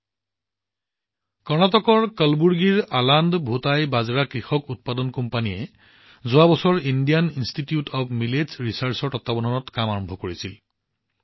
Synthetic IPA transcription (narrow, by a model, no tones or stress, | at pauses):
kɔɹnatɔkɔɹkəlbuɹɡiɹalandbʱutajbazɹakɹixɔkut̚padɔnkɔmpanijɛ | zʊabɔsɔɹindijaninstitiutʰɔpmilezɹisaɹsɔɹtɔtːabɔnɔnɔtkamaɹɔmbʱɔkoɹisil